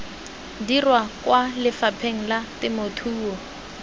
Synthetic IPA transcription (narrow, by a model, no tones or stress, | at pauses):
dirwakwalɪfapʰeŋ̩latɪmotʰuːwɔ